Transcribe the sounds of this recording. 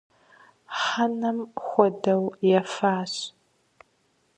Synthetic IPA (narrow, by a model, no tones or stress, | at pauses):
ħanɐmxʷɔdɐwjɛfaːɕ